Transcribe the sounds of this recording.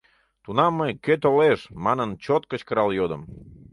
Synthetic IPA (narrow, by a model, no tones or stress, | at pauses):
t̪unɑmːəjkøt̪oleʃmɑnənt͡ɕot̪̚kət͡ɕkəɾɑljod̪əm